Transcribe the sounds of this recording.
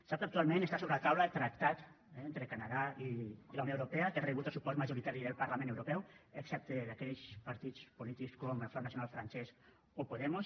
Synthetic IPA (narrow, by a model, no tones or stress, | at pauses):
sap̚t̪akt̪ualmẽnest̪asoβɾelat̪awlaet̪ɾak̚t̪at̪ | ɛnt̪ɾekanaðailawnoewɾopeat̪ereβut̪asupɔsmaʒuɾit̪aɾiðelpaɾlamẽnewɾopɛweksɛp̚t̪eðakɛʎspaɾt̪it͡spolit̪ikskoomelfonːasjonalfɾansɛs | opoðɛmos